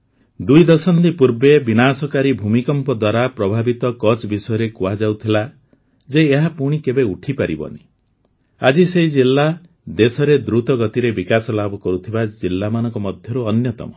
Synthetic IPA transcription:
d̪ujd̪ɔsɔnd̪ipuɾbebinasɔkaɾibʱumikɔmpɔd̪waɾapɾɔbʱabit̪ɔkɔt͡ʃbisɔjɔɾekuad͡ʒawt̪ʰila | d͡ʒeːɦapuɽ̃ikebeuʈʰipaɾḭbɔ̰ni | a̰d͡ʒiseɦid͡ʒilːa | d̪esɔɾed̪ɾut̪ɔɡɔt̪iɾebikasɔlabʱɔkɔɾut̪ʰibad͡ʒilːamanɔŋkɔmɔd̪ʱjɔɾuɔnjɔt̪ɔ̰mɔ

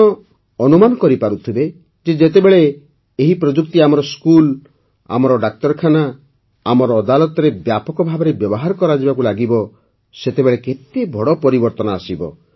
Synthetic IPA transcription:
ɔ | ɔnumanɔkɔɾipaɾut̪ʰibe | d͡ʒed͡ʒet̪ebeɭeː | ɦipɾɔd͡ʒuk̚t̪iamɔɾɔskul | a̰mɔɾɔɖak̚t̪ɔɾkʰana | amɔɾɔːd̪alɔt̪ɔɾebjapɔkɔbʱabɔɾebjɔbɔɦaɾɔkɔɾad͡ʒibakulaɡibɔ | set̪ebeɭeket̪ebʱɔɽɔpɔɾibɔɾt̪ɔnɔasibɔ̰

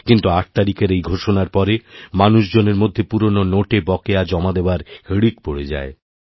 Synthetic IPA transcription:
kint̪uaʈ̚t̪aɾikeɾejɡʱoʃonaɾpɔɾemanuʃd͡ʑoneɾmod̪ʱːepuɾononoʈebɔkead͡ʑɔmad̪eoaɾhəɽik̚poɽed͡ʑa̰e

